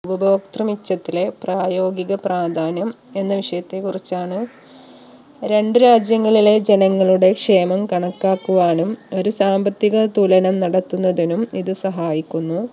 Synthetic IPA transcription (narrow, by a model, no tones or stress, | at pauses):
bɐboːk̚t̪rɐmit͡ɕːɐt̪ːile̞praːjo̞ːɡiɣɐpraːd̪ʱaːnɐm | e̞nːɐʋiʂɐjɐt̪ːe̞kurit͡ɕːaːɳɨ | ɾe̞ɳɖɨɾaːd͡ʑjɐŋːɐɭile̞d͡ʑe̞nɐŋːɐɭuɽe̞kʂe̞ːmɐmkɐɳɐkːaːkːuʋaːnumo̞ɾusaːmbɐt̪ːiɣɐt̪ulɐnɐmnɐɽɐt̪ːunːɐðinumiðɨsɐɦaːjikʲːunːu